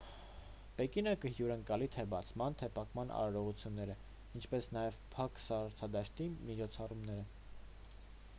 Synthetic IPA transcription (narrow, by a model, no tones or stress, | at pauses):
pɛkinəkəhjuɾəŋkɑlit̪ʰɛbɑt͡sʰmɑnt̪ʰɛpʰɑkmɑnʔɑ̰ɾɑɾɔʁut͡sʰjunːɛɾə | int͡ʃʰpɛsnɑjɛvpʰɑksɑɾɾt͡sʰɑd̪ɑʃt̪imit͡ʃʰɔt͡sʰɑrumnɛɾə